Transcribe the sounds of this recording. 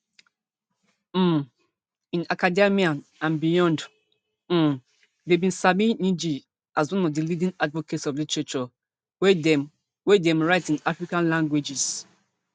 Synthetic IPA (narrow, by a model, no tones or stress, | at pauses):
ĩnakademiãnãnbijɔ̃nd̩ | debĩnsabĩnĩd͡ʒi | ʔazwɔ̃nɔvdilidĩnadvɔketsɔvdit͡ʃɛt͡ʃɔ | wɛd | wɛdɛ̃mɹaɪtĩnafɹikãnlãŋɡwed͡ʒis